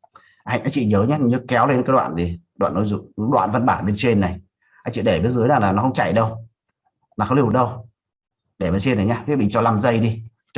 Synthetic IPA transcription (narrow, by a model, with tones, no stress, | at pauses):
ʔa˧˩jŋʔa˧ŋt͡ɕḭ˧˨ɲəː˨˦ɲaː˦˨ɲɨ˨˦kɛ˨˦wle˧nkaː˨˦jɗwa̰ː˧˨t̪i˨˩ | ɗwa̰ː˧˨nːo˨˦jzʊ̰˧˨˦ɗwa̰ː˧˨nvə˧nɓaː˧˩nɓe˧nt͡ɕe˧nːa˨˩j | ʔa˧jŋt͡ɕḭ˧˨ɗe˧˩ɓe˨˦nzɨ˨˦jnaː˨˩laː˨˩nɔ˨˦xə˧wŋ͡mt͡ɕa̰˧˨jɗə˧w | naː˨˩xi˧˩˨ɗə˧w | ɗe˧˩ɓe˨˧nt͡ɕe˧nːa˨˩jɲaː˧i˦˥ɓḭ˧˨ŋt͡ɕɔ˧la˧mzə˧jɗi˧